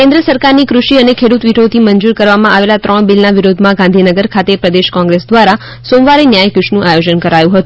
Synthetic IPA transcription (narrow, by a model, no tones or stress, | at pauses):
kẽnd̪ɾəsəɾkaɾnikɾuʃiənekʰeɽut̪ʋiʈʰot̪ʰiməɲd͡ʒuɾkəɾʋamãʔaʋelat̪ɾəɳ̃bilnaʋiɾod̪ʱmãɡãnd̪ʱinəɡəɾkʰat̪epɾəd̪eʃkɔ̃ŋɡɾesd̪ʋaɾa | sõmʋaɾinjajkuʃnũʔajod͡ʒənkəɾajũɦət̪ũ